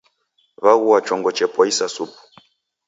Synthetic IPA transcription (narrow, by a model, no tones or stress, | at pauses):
βaɣuwat͡ʃɔŋɡɔt͡ʃɛpɔisasupu̥